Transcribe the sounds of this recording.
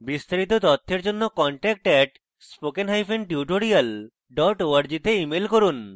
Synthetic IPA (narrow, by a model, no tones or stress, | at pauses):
bist̪aɾit̪̬ot̪ɔt̪ʰːeɾd͡ʑonːokɔɳʈɛk̚ʈɛʈ | spokenɦajfʰenʈiuʈoɾial | ɖɔʈoaɾd͡ʑit̪eimelkoɾun